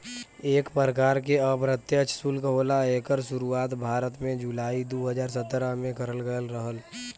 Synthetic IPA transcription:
eːkpəɾəkaːɾkeəbɾət̪jət͡ʃsulkəɦoːlaeːkəɾʃʊɾuaːt̪bʱaːɾət̪mẽd͡ʒulaːid̪oːɦəzaːɾsət̪ːɾəmẽkəɾəlɡəjəlɾəɦəl

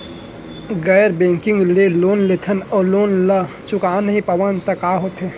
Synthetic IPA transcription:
ɡɛːɾbẽːŋkɪ̃ŋɡleloːnlet̪ʰənɔːloːnlə | t͡ʃʊkaːnɦĩpɐʋənt̪ɐkaːɦoːt̪ɦeː

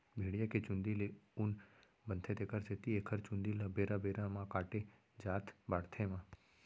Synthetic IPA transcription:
bʱeːɽijaket͡ʃʊ̃nd̪ileʊn | bənt̪ʰet̪ekəɾseːt̪iekʰəɾt͡ʃʊ̃nd̪ilabeːɾabeːɾamãkaːʈe | d͡ʒaːt̪ʰbaːɽt̪ʰemãː

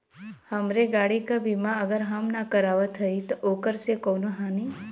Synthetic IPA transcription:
həmɾeɡaɽikabʱimãəɡəɾɦəmnakəɾaʋat̪ʰəit̪oʔokəɾsekonũɦani

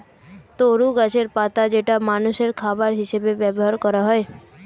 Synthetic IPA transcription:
t̪oɾuɡat͡ʃeɾpaːt̪ad͡ʒeʈamaːnʊseɾkʰaːbaɾɦɪʃebeʋjɛbɦaɾkɔɾaɦɔe

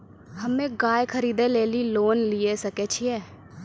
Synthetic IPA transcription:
həmẽːɡaːjkʰəɾiːd̪eːleːliːloːnlieːsəkeːt͡ʃʰiɛː

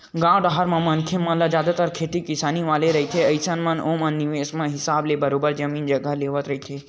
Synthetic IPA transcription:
ɡãʋɖaɦaɾmãmənkʰemːə̃lad͡ʒjad̪at̪aɾkʰet̪ikisaniʋaleɾəɦit̪ʰeəjsanmanomənːiʋesmãɦisablebəɾobəɾd͡ʒəmind͡ʒəɡʱaleʋət̪ɾəɦit̪ʰe

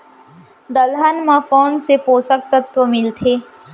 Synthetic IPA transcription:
d̪ɐlɦənmãkɔːnsepoːsək̚t̪ət̪ʋəmɪlt̪ʰeː

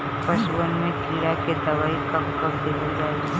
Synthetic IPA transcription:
pɐʃuʋənmẽkiːɾaked̪ɐʋaːikɐpkɐpd̪eːlid͡ʒaːe

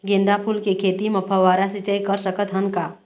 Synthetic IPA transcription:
ɡẽnd̪apʰulkekʰeːt̪imɐpʰəʋaːɾasit͡ʃəjkəɾsəkət̪ɦɐnkaː

